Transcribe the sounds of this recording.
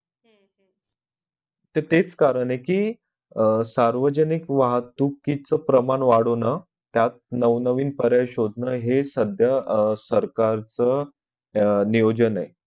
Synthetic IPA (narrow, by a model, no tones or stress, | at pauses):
t̪et̪et͡skaɾəɳekiː | saɾʋəd͡ʑənikʋaɦt̪ukːit͡səpɾəmaɳʋaɽonə | t̪jat̪̚nəʋnəʋiːnpəɾjaɕod̪ʱnəɦesəd̪ʱjasəɾkaɾt͡sə | nijod͡ʑəne